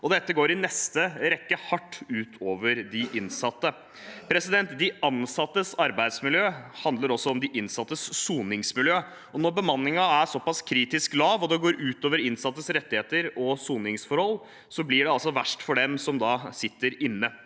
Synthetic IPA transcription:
ɔd̪ɛt̪ːəɡoːɾɪnɛst̪əɾɛkːəhɑʈːʉːt̪ʰoːʋəɾd̪ɪʔɪnsɑt̪ːə | pʰɾɛsɪd̪ɛnt̪d̪ɪɑnsɑt̪ːəsɑɾbæɪd̪smɪljøːhɑnd̪ləɾɔsːɔɔmd̪ɪʔɪnsɑt̪ːəsːuːnɪŋsmɪljøː | ɔnɔɾbəmɑnːɪŋɑæʂɔpːɑskʰɾiːt̪ɪsklɑːʋɔd̪ɛɡoːɾʔʉːt̪oːʋəɾɪnsɑt̪ːəsɾɛt̪ːɪheːt̪əɾɔsuːnɪŋsfɔɾhɔlː | sɔblɪɖɛɑlsɔʋæʂʈfɔɖɛmsɔmd̪ɑːsɪt̪ːəɾɪnːə

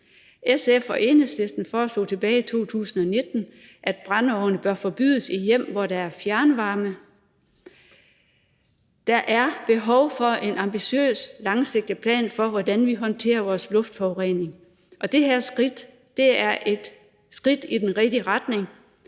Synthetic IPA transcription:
ʔesefɒʔe̝ːnesle̝sd̥n̩fɒːslo̝̰ːt͡sʰe̝b̥ɛːɪit͡sʰo̝̰ːt͡sʰṵːsn̩ɒ̽ne̝d̥n̩ʔæd̥̚b̥ʁɑ̈nɒʊnəb̥ɶɐfɒ̽b̥y̰ðˠəsijem̰ʋɒɾ̥ɑ̈æɐfjæɐnəʋɑ̈ːmə | d̥ɑʔæɐb̥e̝ɦɒ̽ʊfɒ̽ʔe̝nɑ̈mb̥iɕø̰ːslɑ̈ŋse̝ɡ̥̚d̥ipʰlɛ̰ːnfɒ̽ʋɒd̥ænʋiɦɒ̽nt͡sʰe̝̰ːɐʋɒːslɔ̽fd̥fɒʊʁḛːne̝ŋ | ʔɒ̽d̥e̝heɐ̰sd̥ | d̥e̝æɐʔe̝d̥ | sɡ̥ʁid̥id̥enʁɛd̥iʁɑd̥ne̝ŋ

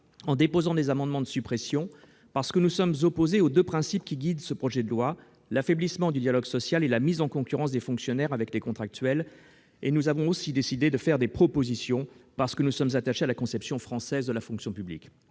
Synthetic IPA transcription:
ɑ̃d̪epozɑ̃d̪ezamɑ̃d̪mɑ̃d̪əsypχɛsjɔ̃ | paʁsə̥kənusɔmzɔpozeod̪øpχɛ̃sipkʲiɡʲid̪səpχɔʒɛd̪əlwa | lafɛblismɑ̃d̪yd̪jalɔɡsɔsjalelamizɑ̃kɔ̃kʲyʁɑ̃s̬d̪efɔ̃ksjɔnɛʁavɛklekɔ̃t̪χak̚t̪ɥɛl | enuzavɔ̃osid̪esid̪ed̪əfɛʁd̪epχɔpozisjɔ̃paʁsə̥kənusɔmzat̪aʃealakɔ̃sɛpsjɔ̃fχɑ̃sɛzd̪əlafɔ̃ksjɔ̃pyblḭk

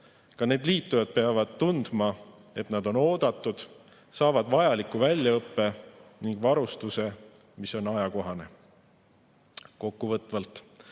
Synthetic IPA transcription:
kɑne̞ːd̪liːt̪ːujɑd̪̥̚pe̞ɑvɑd̪̥̚t̪und̪̥mɑ | e̞t̪nɑd̪̥o̞no̞ːd̪̥ɑt̪ːˑud̪̥ | sɑːvɑd̪̥vɑjɑlikːuvælʲjɑɤpːe̞niŋɡ̥vɑɾust̪use̞ | miso̞nɑjɑko̞ɦɑne̞ | ko̞kːuvɤt̪ːˑvɑlt̪ˑ

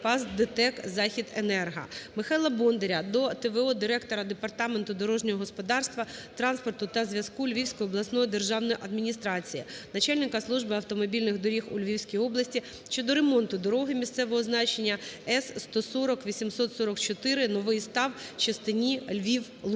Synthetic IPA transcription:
pɑzd̪et̪ɛkzɑxʲid̪ḛnɛrɦɐ̰mɪxɑjlˠɐbɔnd̪eɾʲɐd̪ɔt̪eʋeɔd̪ɪɾɛkt̪ɔɾɐd̪epɐrt̪ɑment̪ʊd̪ɔɾɔʒnʲɔɦɔɦɔspɔd̪ɑrst̪ʋɐt̪ɾɑnspɔrt̪ʊt̪ɐzʋʲjɐskulʲʋʲiwsʲkɔjʊɔblˠɐsnɔjid̪erʒɑwnɔjiʔɐd̪mʲinʲist̪ɾɑt͡sʲijinɐt͡ʃɑlʲnɪkɐslˠuʒbɪɐwt̪ɔmɔbʲilʲnɪɣd̪ɔɾʲixʊlʲʋʲiwsʲkʲijɔblˠɐsʲtʲi | ʃt͡ʃɔd̪ɔɾemɔnt̪ʊd̪ɔɾɔɦɪmʲist̪sɛʋɔɦɔznɑt͡ʃenʲːɐɛsːt̪ɔsɔɾɔkʋʲisʲimsɔt̪sɔɾɔkt͡ʃɔt̪ɪɾɪnɔʋɪjst̪ɑwt͡ʃɐst̪ɪnʲilʲʋʲiw | lˠ

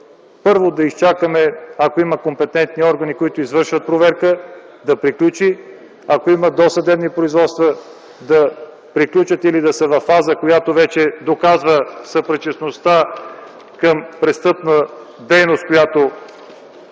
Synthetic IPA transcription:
pɤɾvod̪ɐist͡ʃakəmɛɐkoiməkompɛt̪ɛnt̪niɔɾɡənikoit̪ʊizvɤɾʃvət̪̚pɾovɛɾkə | d̪ɐpɾiklʲut͡ʃi | akoiməd̪osəd̪ɛbnipɾoizvɔt̪st̪və | d̪ɐ | pɾiklʲut͡ʃət̪ilid̪ɐsɐvɐfːazəkojat̪ovɛt͡ʃɛd̪okazvəsəpɾɛt͡ʃəsnost̪a | kəmpɾɛst̪ɤpnə | d̪ɛjnost̪̚kojat̪o

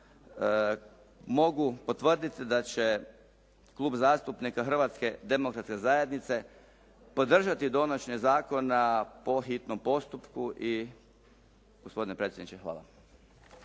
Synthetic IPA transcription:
mo̞ɡupo̞t̪ʋərd̪it̪id̪at͡ɕe̞ | klˠuːbzaːst̪upnikaxr̩ʋat̪ske̞d̪e̞mokɾat̪ske̞zaje̞d̪nit̪se̞ | po̞d̪r̩ʒat̪id̪o̞nat͡ɕnezaːko̞napo̞xit̪nompo̞st̪upkuʔi | ɡ̥ospo̞d̪inepɾet̪sjed̪nit͡ʃexʋa̰ːlˠa̰

